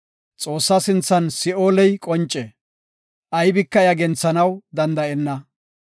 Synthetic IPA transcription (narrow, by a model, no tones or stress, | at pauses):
t͡sʼo̞ːsːɐsɪnt͡sːɐnsɪʔoːlɛjkʼɔnt͡ʃʼːɛ | ʔɐjbɪkːɐjɐɡɛnt͡sːɐnɐwd̪ɐnd̪ɐʔɛnːɐ